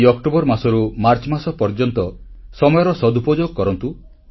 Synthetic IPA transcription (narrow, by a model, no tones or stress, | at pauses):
ɔkʈobɔɾmasɔɾumaɾt͡ʃɔmasɔpɔɾd͡ʒɔnt̪ɔ | sɔmɔjɔɾɔsɔd̪upɔd͡ʒoɡɔkɔɾɔnt̪u